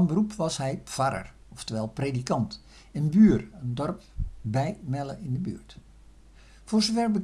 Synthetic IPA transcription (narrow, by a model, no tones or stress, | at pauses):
nbərupʋɑshɛjfaɾə̰r | ɔftəʋɛlˠpreːdikɑnt | ənbyːrəndɔrp̚bɛjmɛləɪndəby̰ːɹt | fʊːrzofɛrbə